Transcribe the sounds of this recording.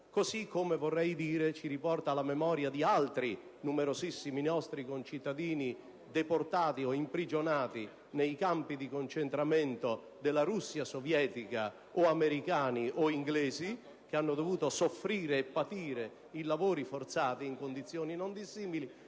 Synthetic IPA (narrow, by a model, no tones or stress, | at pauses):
kosikːomevorːɛjd̪iːɾet͡ʃiɾipɔrt̪alamɛmɔːɾjad̪ialt̪ɾi | numɛɾozisːiminɔst̪ɾikont͡ʃit̪ːad̪iːni | d̪ɛport̪aːt̪iɔimpɾid͡ʒonaːt̪i | nejkampid̪ikont͡ʃent̪ɾamɛnt̪o | d̪elːaɾusːjasovjɛːt̪ika | ɔamɛɾikaːniʔɔiŋɡlɛːzi | k̟eanːod̪ovuːt̪osofːɾiːɾeːpːat̪iːɾe | ilavoːɾifort̪saːt̪iːŋkond̪it̪sːjoːninond̪isːiːmili